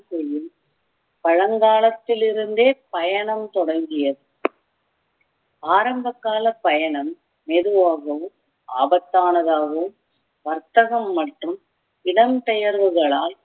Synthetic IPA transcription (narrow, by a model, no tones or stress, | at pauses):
sɛjɯm | pɐɻɐŋɡaːlɐt̪ːɪlɪɾɯnd̪eːpɐjɐɳɐmt̪ɔɽɐŋɡɪjɐðɯ | aːɾɐmbɐkːaːlɐpːɐjɐɳɐmː | eːðɯʋaːɣɐʋɯm | aːbɐt̪ːaːnɐðaːɣɯm | ʋɐɾt̪ɐɣɐmːɐʈrɯm | ɪɽɐmt̪ɛjɐɾʋɯɣɐɭaːl